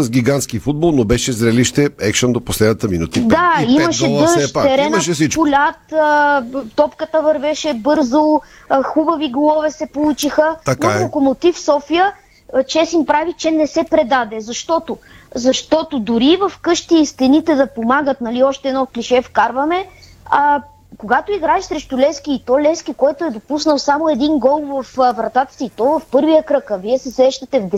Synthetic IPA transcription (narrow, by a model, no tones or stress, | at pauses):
əzɡʲiɡant̪skifud̪bolˠnobɛʃɛzɾɛliʃt̪ɛɛkʃond̪oposlɛd̪ət̪əminut̪id̪aimɐʃɛəʃɛɾɛnʃpʊlʲat̪ət̪ɔpkət̪əvɐɾvɛʃɛbɤɾzo | xubɐviɡlˠɔvɛsɛpolˠut͡ʃixənkokomot̪ifsɔfijə | t͡ʃɛsimpɾavit͡ʃɛnɛsɛpɾɛd̪ad̪ɛzɐʃt̪ɔt̪o | zɐʃt̪ɔt̪od̪ʊɾivɐfkɤʃt̪iːst̪ɛnit̪ɛd̪ɐpomaɡət̪nɐliɔʃt̪ɛɛdnɔkliʃɛfkaɾvɐmɛ | ɐ | koɡat̪oiɡɾaɛʃsɾɛʃt̪ʊlɛsk̟iːt̪ɔlɛskikɔjt̪ʊɛd̪opusnəlˠsamoɛd̪inɡɔlˠvɐfvɾɐt̪at̪ə̥siːt̪ɔvɐfpɤɾvijəkɾɤkəviɛsɛsɾɛʃt̪ɐt̪ɛvd̪ɛ